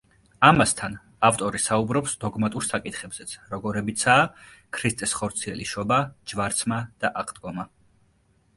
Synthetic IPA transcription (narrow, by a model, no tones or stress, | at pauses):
amast̪ʰan | aft̪ʼɔɾisaubɾɔpsd̪ɔɡmat̪ʼuɾsakʼit̪ʰχɛbz̥ɛt̪sʰɾɔɡɔɾɛbit̪sʰaːkʰɾist̪sʼɛsχɔɾt̪sʰiɛliʃɔbad͡ʒvaɾt̪sʰmad̪̥aʔaqʼʰd̪̥ɡɔma